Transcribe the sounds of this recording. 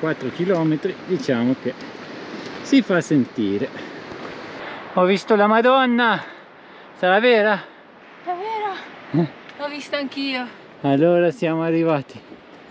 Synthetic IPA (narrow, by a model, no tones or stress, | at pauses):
kwat̪ːɾok̟ilɔːmet̪ɾid̪it͡ʃaːmoke | sifasːent̪iːɾe | ɔvːist̪olamad̪ɔnːa | saɾavɛːɾa | avɛːɾaɛɔvist̪oaŋkiːo | alːoːɾasjaːmoarːivaːt̪i